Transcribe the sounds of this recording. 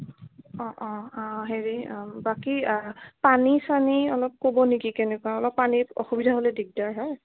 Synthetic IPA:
ɔ̃ʔɔ̃ɔ̃ɦeɹibakipanisaniɔlɔp̚kobɔnikikɛnɛkuwaɔlɔpːaniɔ̰xubidʱaɦolɛdiɡ̚daɹɦɔj

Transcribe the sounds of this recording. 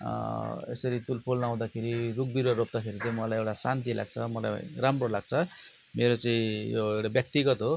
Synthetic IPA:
ḛsʌɾit̪ulpʰolnaw̃d̪akʰeɾiruk̚biɾwaɾop̚d̪akʰeɾit̪aĩmʌlajewʈasant̪ilʔa̰ɡ̚t͡sʰʌmʌla̰jɾamrolaɡ̚t͡sʰʌ | meɾot͡saĩjo̰ewʈabjʌk̚t̪iɡʌt̪ɦo

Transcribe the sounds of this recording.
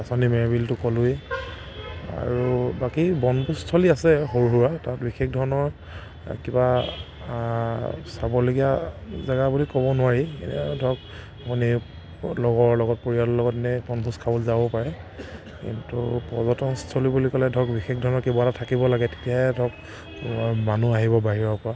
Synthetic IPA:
asɔnimɛbiltʊkɔlʊj | a̰ɹubakibɔnbustʰoliasɛxoɹɦuɹatatbixekdʱɔɹɔnɔɹ | kiba | sabɔloɡijazaɡabulikɔbɔnʊwaɹiḛndʱɔk | puni | lɔɡɔɹlɔɡɔt̚poɹiatɔlɔɡɔtɛnɛbɔnbʰʱuskʰabɔlzabɔpaɹɛ | kḭntṵpɔzɔtɔnstʰolibulikɔlɛdʱɔkbixekdʱɔɹɔnɔɹkebɔaatatʰakibɔlaɡɛte̥tijaɦɛdʱɔk̚ | manuaɦibɔbaɦiɹɔɹpɔɹa

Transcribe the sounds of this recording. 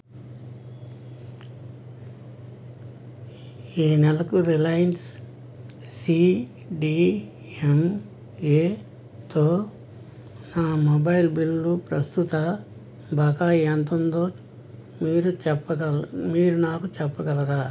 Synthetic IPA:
iːnɛlɐkuɾilɐjɐns | si | ɖi | em | eː | t̪oː | naːmobɐjilbilulupɾɐst̪ut̪ɐ | bʱɐkaːjɐnt̪ond̪oː | miːɾuɛɐɐmiːɾunaːkut͡ʃɛpːɐɡɐlɐɾaː

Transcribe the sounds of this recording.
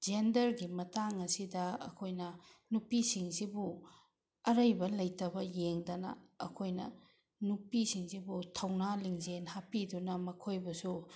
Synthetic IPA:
d͡ʒendɐɾɡimɐtaŋɐsidɐɐ̰kʰojnɐnupisiŋsibu | ɐɾɐjbɐlɐjtɐbɐjeŋdɐnɐ̰ɐkʰojnɐ̰ | nupisiŋzibutʰɐwnaliŋzenhapidunɐmɐkʰojbɐsu

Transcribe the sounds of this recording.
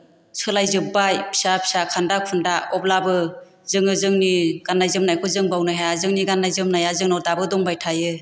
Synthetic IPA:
sʰɯlajzɯbajpʰi̥sapʰi̥sakʰandak̚pʰɯndaɔp̚labɯ | zɯŋɯzɯŋniɡ̥anːajzɯmnajkʰɔzɯŋbawnaɦazɯŋniɡanːajzɯmnajazɯŋnɔɾdabɯdɔŋbajtʰajɯ

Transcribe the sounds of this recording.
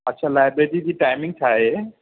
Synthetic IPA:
ɐtːʃʰalajbɾeʈid͡ʑiʈajmĩŋɡ̚tʰaɦe

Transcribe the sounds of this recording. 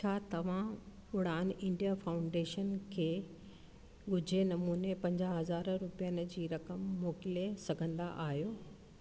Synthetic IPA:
t͡ɕʰaːt̪ɐʋ̤ã | ʊɽ̤aːnɪ̃ɳɖijafaːʊ̃ɳɖeːʃənkʰeː | ɠʊd͡ʑʱenɐmuːnepɐ̃ɲd͡ʑaɦɐzaːɾɾʊpijənɪ̆d͡ʑiːɾɐkəmːoːkɪlesɐɡʱə̃nd̪a̰ʔaːɦijoː

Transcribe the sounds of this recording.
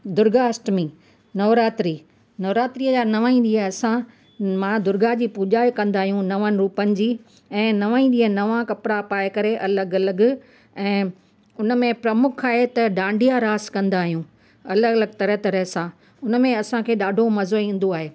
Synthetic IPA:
d̪ʊɾɡaɐsʈmĩː | nɐʋɾaːt̪ɾiː | nɐʋɾaːt̪ɾiːəd͡ʑaːnɐʋaːĩɗiːəɐsã | mãd̪ʊɾɡad͡ʑiːpuʄaːjkɐ̃nd̪aːɦijũnɐʋənɪ̆ɾuːpənɪ̆d͡ʑiː | ɛ̃ːnɐʋãːĩɗiːənɐʋãkɐpɪɾapaːjkɐɾeʔɐləɡɐləɡ̆ | ɛ̃ː | ʊnmẽpɾɐmʊkʰaːɦet̪ɐɖãːɳɖʱijaɾaːskɐ̃nd̪aːɦijũː | ɐləɡləɡt̪ɐɾəɦt̪ɐɾəɦsã | ʊnmẽɐsãkʰeːɗaːɖʱomɐzoĩːn̆d̪oaːɦeː

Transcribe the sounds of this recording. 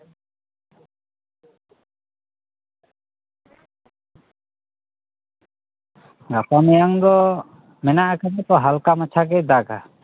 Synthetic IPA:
ɡapamɛjaŋd̪ɔ | mɛnaʔakanɛt̪ɔɦalkamat͡ʃʰakɛd̪aka

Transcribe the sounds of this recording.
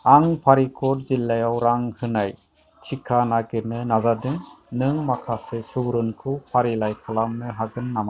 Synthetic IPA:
aŋpʰaɾikʰɔɾ̚zilːajawɾaŋhɯnaj | tʰikʰanaɡemɯnazadɯŋnɯŋmakʰasesuwɾɯnkʰɯpʰaɾilajkʰalamnɯɦaɡɯnːama

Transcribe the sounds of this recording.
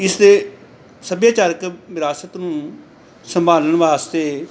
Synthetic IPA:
ɪsd̪eː | səbjaːt͡ʃəɾkʋɪɾaːsət̪nũː | səmbʱaːləɳʋaːst̪eː

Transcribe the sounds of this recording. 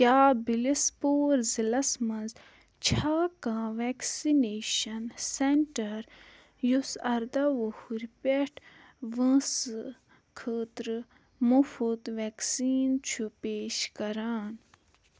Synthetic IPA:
kʲaːbilispoːɾzilɐsmɐ̃nz | t͡ʃʰaːkãːʋɛksineːʃɐnseɳʈɐɾ | jusɐɾd̪ɐʋohuɾʲpeʈʰ | ʋə̃sɨ | kʰəːt̪ɾɨ | mufut̪ʋeksiːnt͡ʃʰupeːʃkɐɾaːn

